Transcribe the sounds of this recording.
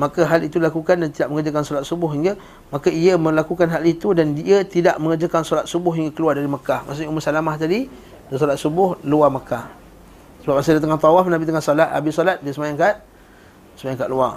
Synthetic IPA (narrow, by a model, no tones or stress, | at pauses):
makaɦalit̪ulakukandant̪idaʔ̚məŋəd͡ʒakansɔlat̪̚subʊɦiŋɡa | makaiəmə̃lakukanɦalit̪udandiət̪idaʔməŋəd͡ʒakansɔɾat̪̚subʊhiŋɡakəluardaɾiməkahmas̬ʊɲuməsalamaht̪adi | dasɔlat̪̚subʊhluaməkah | səbap̚mas̬adat̪̬əŋat̪ɔwafnabit̪əŋahsolaha̰bisɔlat̪̚diasəmajaŋkaʔ̪̚ | səmajaŋkaʔlua